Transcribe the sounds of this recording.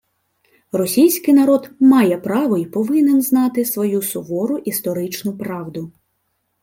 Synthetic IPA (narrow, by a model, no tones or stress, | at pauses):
rɔsʲijsʲkɪjnɐɾɔd̪mɑjɛpɾɑʋɔipɔʋɪnenznɑt̪ɪsʋɔjusɔʋɔɾʊʔist̪ɔɾɪt͡ʃnʊpɾɑʋd̪ʊ